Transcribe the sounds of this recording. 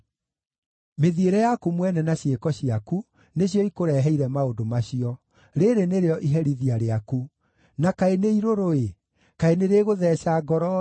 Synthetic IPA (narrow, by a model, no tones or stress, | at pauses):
meðieɾɛjakumwɛnɛnaɕjekɔɕiaku | neɕjɔikoɾɛɦɛiɾɛmaodomaɕiɔ | ɾeɾeneɾeɔʔiɦɛɾiðiaɾeaku | nakaeneiɾoɾoe | kaeneɾeːɣoðɛːɕaɡɔɾɔ